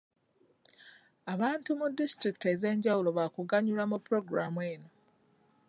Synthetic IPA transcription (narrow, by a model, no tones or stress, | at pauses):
aβaːntumudːistɾiki̥te̞ze̞ːɲɟawulo̞βakuɡaɲulamupːɾo̞ɡɾamweːno